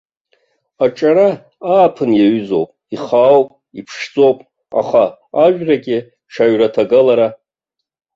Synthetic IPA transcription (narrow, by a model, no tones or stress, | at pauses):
aʈ͡ʂʼaɾa | aːpʰɨnjaɥyzowpʼ | iχawpʼ | ipʰʂd͡zʼo̞wpʼ | a̰χaaʒᶣraɡʲʼɪ | ʂʰaɥratʰaɡalaɾa